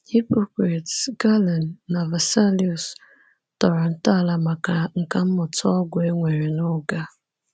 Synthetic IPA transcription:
hi˦po˦kɾa˨tsɡa˦la˨nːa˨va˨sa˦liju˨s | tɔ˨ɾɔ˨n̩˦ta˦˨la˦ma˨a˨ŋ̩˨ka˨m̩˦mʊ˨tɔ˦ɡʷe˦ŋʷe˨ɾe˨nʊ˦ɡa˦

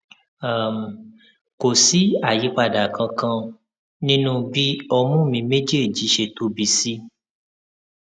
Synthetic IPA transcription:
a˨m˨ | ko˨si˨˦a˨ji˨˦k͡pa˧˨da˨kã˧kã˧ | nĩ˦nũ˦bi˦ɔ˧mũ˦˨mĩ˧mẽ˦d͡ʒe˦˨d͡ʒi˨˦ʃe˧˨to˨˦bi˧˦si˦

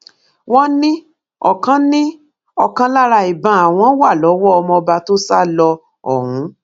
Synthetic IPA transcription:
w̃ɔ̃˦nĩ˦ | ɔ˦˨kã˨˦nĩ˦ | ɔ˦kã˨˦la˦ɾa˧˨i˨bã˧˦a˨w̃ɔ̃˨˦wa˦˨lɔ˨˦wɔ˦ɔ˧mɔ̃˧ba˧to˦sa˦lɔ˧ | ɔ̰˨hũ˨˦

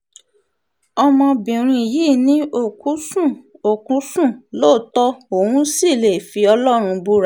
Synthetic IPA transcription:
ɔ˧mɔ̃˧bĩ˨ɾ̃ĩ˧i˨ji˦˨nĩ˨˦o˦˨ku˨˦sũ˦˨o˨kũ˨˦sũ˦˨lo˦˨tɔ˦o˨wũ˦si˦˨le˨fi˧ɔ˧lɔ˦ɾ̃ũ˧bu˦ɾa˦˨

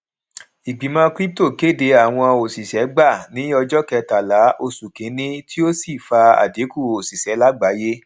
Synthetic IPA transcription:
i˨ɡ͡bi˨mã˧kɾi˦p̚to˦˨ke˦˨de˨˧˦a˨w̃ɔ̃˧o˨si˨sɛ˨˦ɡ͡ba˦˨nĩ˨˦ɔ˧d͡ʒɔ˦kɛ˧ta˨la˨˦ʔo˧su˨kẽ˨˦nĩ˦tʰi˦o˦si˦˨fa˧a̰˨de˨˦ku˦˨o˨si˨sɛ˨˦la˦ɡ͡ba˨˦je˦

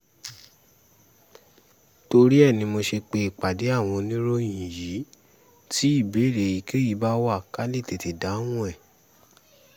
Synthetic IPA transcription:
to˧ɾi˦ɛ˦˨nĩ˧mo˧ʃe˧k͡pe˧˨k͡pa˨de˨˦a˦˨w̃ɔ̃˧nĩ˦ɾo˦jĩ˨ji˨˦ | ti˦i˦˨be˨˦˨ɾe˨ji˨˦ke˦ji˨˦ba˦wa˦˨ka˦le˦˨te˨ti˨da˨˦wũ˦ɛ˦˨

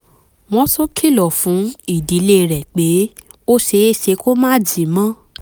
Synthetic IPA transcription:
mɔ̃˧˦sɔ˦kʰi˦˨lɔ˨fũ˨˦i˦˨di˨˦le˦˧ɾɛ˨k͡pe˨˦ | o˦ʃe˧˦e˦˨ʃe˧˦ko˦mã˦˨d͡ʒĩ˨mã˦

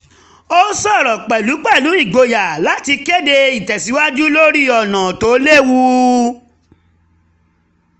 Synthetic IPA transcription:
o˦sɔ˦˨ɾɔ̃˨k͡pɛ˨lu˨˦k͡pɛ˦˨lu˨˦i˦˨ɡ͡bo˨ja˨la˨˦ti˧ke˦de˧i˨tɛ˨si˨˦wa˦d͡ʒu˦lo˦ɾi˦ɔ˨nã˨to˨˦le˦wu˦

